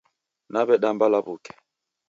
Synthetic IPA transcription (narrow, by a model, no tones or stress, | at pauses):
naβɛɗambalaβukɛ̥